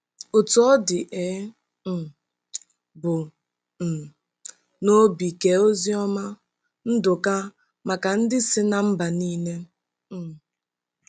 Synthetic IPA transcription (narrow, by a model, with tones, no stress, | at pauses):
ʊ˨tɔ˦ɔ˦dɪ˨ʔe˨˦˨ | bʊ˨ | n̩˨ | no˦bi˨ke˨o˦zi˦ɔ˦ma˦ | n̩˦dʊ˨ka˦ | ma˨ka˨n̩˦dɪ˦sɪ˦na˨m̩˦ba˨niː˦ne˦˨